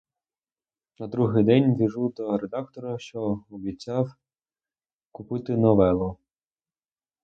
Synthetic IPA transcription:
nɐd̪ɾuɦɪjd̪ɛnʲʋʲiʒud̪ɔɾed̪ɑkt̪ɔɾɐʃt͡ʃɔɔbʲit͡sʲːɑw | kʊpɪt̪ɪnɔʋɛlˠɔ

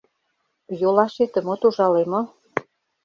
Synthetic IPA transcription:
jolɑʃet̪ə̆mot̪uʒɑlemo

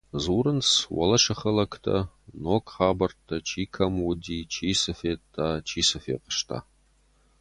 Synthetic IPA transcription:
zuːɾɨnt͡swɐ̰lɐʂɐχɐlɐkʰtʰɐ̰ | noːkχaːbɐrtʰːɐt͡ʃʰiːkʰɐmʊdiːt͡ʃʰiːsɐfeːtʰːaːt͡ʃʰiːsɐfḛːqə̥ʃtʰa̰ː

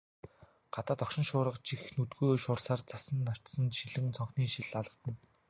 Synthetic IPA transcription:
ɢ̥at̪aːt̪ɔkʃɪ̆nʃʊːɾə̆qt͡ɕixnɵt̪ɡujʃʊːrsaːrt͡sasə̆nːar̥t̪sə̆nʃiɮɘ̆ŋt͡sʰɔɴχniːŋʃiɮaɮʁə̆t̪ə̆n

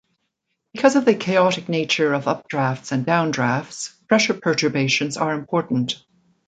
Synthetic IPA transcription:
b̥ɨkʰʌzʌvðɨkʰeɪɑɾɨk̚neɪt͡ʃə˞ʌvʌp̚d̥ɹæftsɨ̃ndãʊ̃ndɹæftspʰɹ̥ɛʃə˞pʰə˞tə˞beɪʃɨ̃nzə˞ɨ̃mpʰɔɹʔn̩t

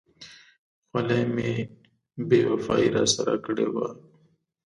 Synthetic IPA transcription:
xalemẽ | beːwɐfaːiɾa̰sɐɾa̰kəɽeːwa

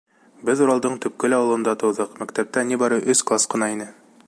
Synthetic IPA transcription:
bɘðuɾɑlˠd̪ɤɴt̪ɵ̆p̚kɵlɒwɤ̆lˠɤ̆nd̪ɑt̪ɤ̆wðɤqmækt̪æp̚t̪ænibɒɾɤʔɵsklˠasqɤ̆nɑinɘ

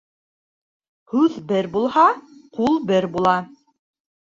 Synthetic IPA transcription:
hʉðbɘɾbulˠhɑqulˠbɘɾbulˠɑ

